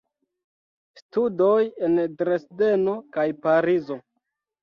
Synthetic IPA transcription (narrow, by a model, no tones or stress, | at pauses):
studojendɾesde̞no̞kajpaɾizo̞